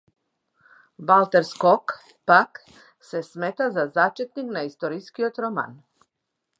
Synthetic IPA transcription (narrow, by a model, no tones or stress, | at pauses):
ʋalˠt̪eɾskok | pak | se̞smet̪azazat͡ʃet̪niknaist̪oɾiskiot̪ɾoma̰n